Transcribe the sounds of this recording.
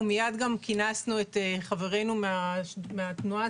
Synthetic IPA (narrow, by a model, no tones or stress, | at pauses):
mijad̪ɡamkinasnuet̪eχave̞ʁe̞numeameat̪nua